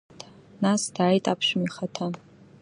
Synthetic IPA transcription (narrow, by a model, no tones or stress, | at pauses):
tʰʼ | nasd̥aːjtʼapʰʃmiχatʰa